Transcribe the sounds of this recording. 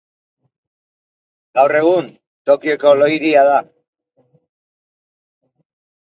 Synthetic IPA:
ɡawre̞ɣ̞un | t̪o̞kio̞ko̞lo̞jðiaða

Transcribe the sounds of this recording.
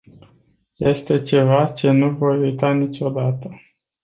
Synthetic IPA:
je̞st̪e̞t͡ʃe̞vat͡ʃe̞nuvo̞jujt̪anit͡ʃʲo̞d̪at̪ə

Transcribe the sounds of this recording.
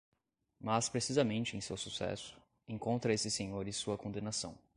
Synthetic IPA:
maspɾesizɐmẽnt͡ʃɪẽj̃sewsusɛ̰sʊ̥ | ẽŋkõnt̪ɾɐesɪsẽɲoɾɪ̃suɐkõnd̪enasɐ̰̃w̃

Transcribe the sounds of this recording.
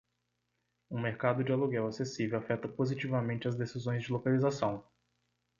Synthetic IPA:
ũmeɾkad̪ʊd͡ʒɪaluɡɛwasesivewafɛt̪ɐpozit͡ʃivɐmẽnt͡ʃɪɐzd̪esizõj̃zd͡ʒɪlokalizasɐ̃w̃

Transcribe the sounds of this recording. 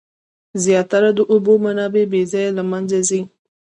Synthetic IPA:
zjɑt̪aɾad̪əʔʊbomanɑbebezɑjalamanzazi

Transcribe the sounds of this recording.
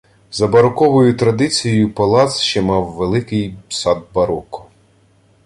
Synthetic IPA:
zɐbɐɾɔkɔʋɔjʊt̪ɾɐd̪ɪt͡sʲijɔjʊpɐlˠɑt̪sʃt͡ʃɛmɑwːelˠɪkɪjsɑd̪̚bɐɾɔkɔ̥

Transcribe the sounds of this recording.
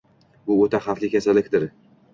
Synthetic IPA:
bʊot̪aχaflʲɪkʲʰasalːɪkʲd̪ɪɾ

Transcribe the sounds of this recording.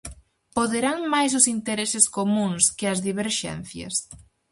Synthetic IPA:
poðeɾaŋmajs̬ʊsint̪eɾesɪskomũŋskɪɐzðiβ̞eɾʃɛ̰n̟θjɐ̰s

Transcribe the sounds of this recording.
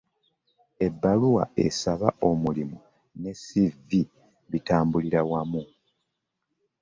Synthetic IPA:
e̞bːaluwa̰e̞saβaʔo̞mulimu | ne̞sivi | βitaːmbuliɾawamu

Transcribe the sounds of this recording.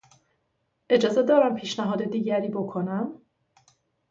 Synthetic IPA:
ʔe̞d͡ʒɒːze̞d̪ɒːɾæmpʰiːʃnæɦɒːd̪e̞d̪iːɟæɾiːbo̞kʰonæm

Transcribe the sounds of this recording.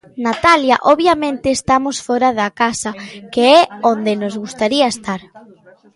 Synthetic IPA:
nat̪aljɐʔoβjamẽnt̪ɪːst̪amosfɔɾaðɐkasɐkeɛond̪ɪnozɣust̪aɾiɐest̪aɾ

